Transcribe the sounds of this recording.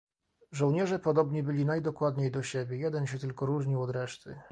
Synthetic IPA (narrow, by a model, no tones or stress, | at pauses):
ʐɔ̃wɲɛʐɛpɔd̪ɔbɲibɘlʲinajd̪ɔkwad̪ɲejd̪ɔɕebʲjejɛd̪ɛnɕ̬ɛt̪ɘlkɔɾuʐɲiwɔd̪ɾɛʂt̪ɘ